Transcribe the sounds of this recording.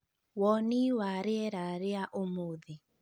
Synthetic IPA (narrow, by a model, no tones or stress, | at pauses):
wɔniwaɾeɛɾaɾeaʔomoði